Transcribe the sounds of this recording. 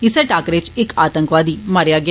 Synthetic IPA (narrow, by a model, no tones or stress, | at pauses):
ɪseːʈaːkɾet͡ʃɪkaːt̪ə̃ŋkʋaːd̪iːmaːɾjaːɡɪ